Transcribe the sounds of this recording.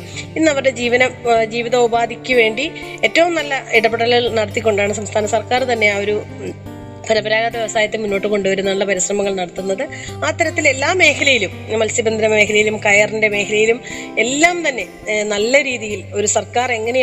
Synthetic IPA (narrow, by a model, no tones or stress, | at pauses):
inːɐʋɐrɽe̞d͡ʑiːʋɐnɐmd͡ʑiːʋiðɐubaːd̪ʱikʲːuʋe̞ːɳɖi | e̞ːtːɐʋumnɐlːɐiɽɐbeɽɐllnɐɽɐt̪ːikʲːo̞ɳɖaːɳɨsɐmst̪ʰaːnɐsɐrkaːrt̪ɐnːe̞aːo̞ɾu | pʰɐɾɐbɐɾaːɡaːðɐʋeʋɐsaːjɐt̪ːɨmunːo̞ːʈːɨko̞ɳɖuʋɐɾunːɐɭːɐpɐɾisrɐmɐŋːɐɭnɐɽɐt̪ːunːɐðɨ | aːt̪ːɐɾɐt̪ːile̞lːaːmːe̞ːkʰɐlɐjilummːɐlsibɐnd̪ɐnɐme̞ːkʰɐlɐjilumkɐjɐrinde̞me̞ːkʰɐlɐjilume̞lːaːmt̪ɐnːe̞ | nɐlːɐɾiːðijilo̞ɾusɐrkaːre̞ŋːɐɳe